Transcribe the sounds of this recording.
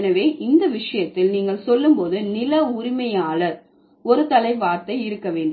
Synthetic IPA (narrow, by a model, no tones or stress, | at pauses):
nɐʋeːʔɪnd̪ɐʋɪʂɐjɐt̪ːɪlniːŋɡɐɭsɔlːɯmpoːðɯnɪlɐʊɾɪmɐjaːlɐ | ɔɾɯt̪ɐlɐɪʋaːɾt̪ɐɪɪɾɯkːɐʋeːɳɖɯ